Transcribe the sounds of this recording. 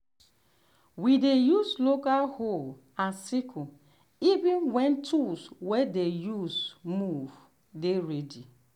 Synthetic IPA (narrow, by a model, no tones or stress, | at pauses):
widejuslokalhol | ãnsikʰu | ivĩnwɛ̃ntʰuswedejusmuv | deɹedi